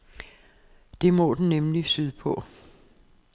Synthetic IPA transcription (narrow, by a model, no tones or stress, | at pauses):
d̥e̝mɔ̽d̥n̩ːemlisyðˠpʰɔ̽